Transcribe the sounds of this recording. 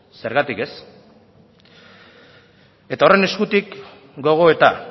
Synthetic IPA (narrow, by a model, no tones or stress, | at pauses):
se̞ɾɣat̪ike̞s | e̞t̪ao̞re̞ne̞skut̪ik | ɡo̞ɣ̞o̞e̞t̪a